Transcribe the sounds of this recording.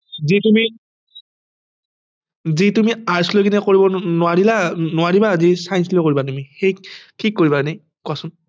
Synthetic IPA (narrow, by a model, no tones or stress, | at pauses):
zitumi | zitumiaɹslokinɛkoɹibɔnʊaɹilanʊwaɹibaːzisajnslɔkoɹibatumixejtʰikːoɹibanej | kuasʊn